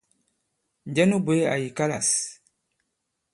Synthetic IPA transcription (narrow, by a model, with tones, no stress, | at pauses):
n˨d͡ʒɛ˦nu˦be˨˦a̰˨ji˨ka˦la̰˨s